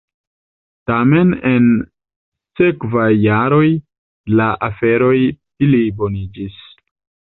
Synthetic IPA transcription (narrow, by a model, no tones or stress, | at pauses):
tame̞nen | se̞kvajːaɾo̞j | laʔafe̞ɾo̞jfilibo̞nid͡ʒis